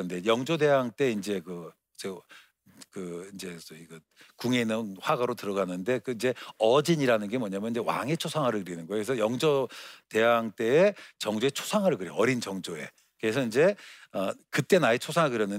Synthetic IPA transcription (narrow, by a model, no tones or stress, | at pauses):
ɯnde̞jʌŋd͡ʑode̞ɦaŋt͈e̞ind͡ʑe̞kɯ | t͡ɕe | kɯind͡ʑe̞siɡɯ | kuŋe̞nɯnɸwaɡaɾotɯɾʌɡanːɯnde̞kɯind͡ʑe̞ʌd͡ʑiɲiɾanɯnɡe̞mwʌɲamjʌnid͡ʑewa̰ŋet͡ɕʰosʰaŋɦaɾɯɭkɯɾinɯnɡʌjokesʰʌjʌŋd͡ʑote̞ɦaŋt͈e̞ːt͡ɕʌŋd͡ʑoe̞t͡ɕʰo̥sʰaŋɦaɾɯɭɡɯɾeʌɾind͡ʑʌŋd͡ʑoe̞̰ | kɯesʰʌind͡ʑe̞ʌkɯt͈e̞naet͡ɕʰosʰaŋɦaɡɯɾjʌnːɯ